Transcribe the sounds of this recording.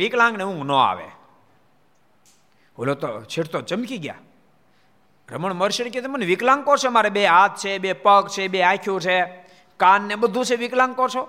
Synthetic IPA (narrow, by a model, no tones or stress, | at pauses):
iklãŋɡneũŋɡnõa̰ʋḛ | ɦo̰lot̪ot͡ʃʰeʈʰt̪ot͡ʃəmkiɡja̰ | ɾəməɳməɾʃənek̬jɛt̪ʰemənʋiklãŋɡkɔɾʃemaɾebeɦat̪̚t͡ʃʰebepəkt͡ʃʰebeakʰjũt͡ʃʰe | kanːebəd̪ʱũt͡ʃʰeʋiklãŋɡkɔɾt͡ʃʰo